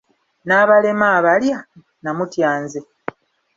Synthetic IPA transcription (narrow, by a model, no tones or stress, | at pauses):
naːβale̞maːβalja | namutjaːnze